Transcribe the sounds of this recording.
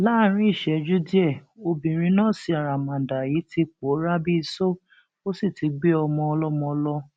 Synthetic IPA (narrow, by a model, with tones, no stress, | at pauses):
laː˦ɾ̃ĩ˦i˦˨ʃɛ˨˦d͡ʒu˦di˦ɛ˦˨o˧bĩ˨ɾ̃ĩ˧˦nãː˦˨si˧a˨ɾa˨mã˨da˨ji˨˦ti˧k͡po˨˦ɾa˦bi˦˧so˦ | o˦si˦˨ti˧ɡ͡be˦ɔ˧mɔ̃˧ɔ˧lɔ˦mɔ̃˧ɔ˧lɔ˧